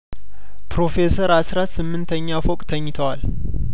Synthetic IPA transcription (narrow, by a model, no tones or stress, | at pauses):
pɾo̞fe̞səɾasɾat̪sɨmːɨnt̪ʰəɲːafokʼt̪ʰəɲːɪt̪ʰəwal